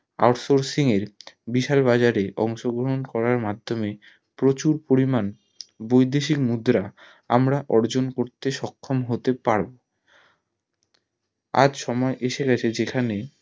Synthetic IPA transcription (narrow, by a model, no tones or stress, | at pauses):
a̰ɾsoɾsiŋeɾbiʃalbad͡ʑaɾeʔɔ̰ŋʃoɡɾoɦonkɔɾaɾmad̪ʱːome | pɾot͡ɕuɾpoɾiman | bojd̪eʃikmud̪ɾa | a̰mɾaʔɔɾd͡ʑonkoɾt̪eʃɔkʰːomɦot̪epaɾbo | a̰d͡ʑʃɔmɔeʔeʃeɡat͡ɕʰed͡ʑekʰane